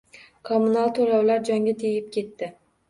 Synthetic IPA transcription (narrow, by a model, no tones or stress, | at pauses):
kʰomunalˠt̪ʰoɾawlaɾd͡ʒɒŋɡʲat̪ʰejɪp̚kʲʰe̞t̪ːɪ